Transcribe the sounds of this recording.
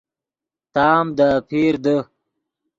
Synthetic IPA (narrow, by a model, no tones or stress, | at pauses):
t̪ɑːmd̪əpʰeːɾd̪ə